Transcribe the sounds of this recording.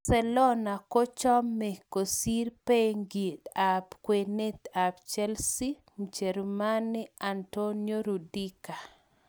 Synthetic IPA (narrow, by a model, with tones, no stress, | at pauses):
sɛ˨lɔ˦na˨ko˦t͡ʃɔ˦mːe˨ko˨si˦ɾpeŋɡi˨t̪a˨pkwe˨ne˦t̪apt͡ʃɛ˦lsi˦ | mu˨t͡ʃe˨ɾuma˦nɪ˦antonjo˦ɾu˨di˦ka˨